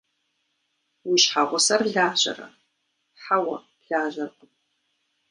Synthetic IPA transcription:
wiʃħaʁʷʊsɐrɮaːʒɐ̰rɐ̰ | ħawɐ̰ | ɮ̥aːʑɐrqʷʼʊm

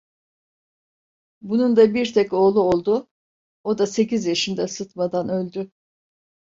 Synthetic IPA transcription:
bunund̪abiɾt̪ʰɛco̞ːlˠuolˠd̪ʊ | o̞d̪ase̞cizjaʃind̪ɛsɯt̪mad̪anø̞lʲd̪y

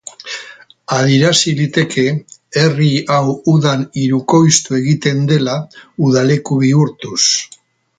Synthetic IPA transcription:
aðiɾasilit̪e̞kʰe̞eriawuðaniɾuko̞jst̪ue̞ɣit̪e̞nd̪e̞lauðale̞kuβiuɾt̪us

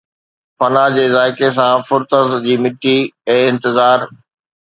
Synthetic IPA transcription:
fɐnad͡ʑeːzaːɪkes̬ãfʊɾt̪əzd͡ʑiːmɪʈːiɛ̃ːɪ̃nt̪ɪzaːɾ

